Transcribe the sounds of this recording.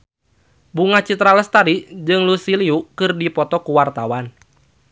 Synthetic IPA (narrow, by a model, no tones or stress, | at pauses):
buŋat͡ʃit̪ɾaləst̪aɾid͡ʒɨŋlusiliukɨrdipɔt̪ɔkuwart̪awan